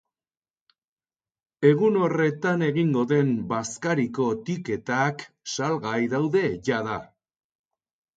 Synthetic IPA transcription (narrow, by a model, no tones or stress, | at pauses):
e̞ɣuno̞re̞t̪ane̞ɣiŋɡo̞ðe̞mbaskaɾiko̞t̪ike̞t̪ak | salɣajðawðe̞ʝaða